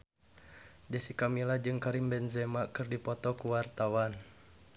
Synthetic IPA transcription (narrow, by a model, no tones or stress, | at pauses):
d͡ʒasikamilad͡ʒɨŋkaɾimbɛnzɛmakɨrdipɔt̪ɔkuwart̪awan